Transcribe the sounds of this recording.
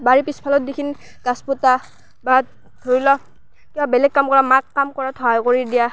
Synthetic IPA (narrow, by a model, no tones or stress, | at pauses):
baɹipispʰalɔt̚dikʰini | ɡ̥asputa | ba | dʱoɹilɔ | kibabɛlɛɡ̚kamkɔɹamakːamkɔɹatʰɔajkoɹidija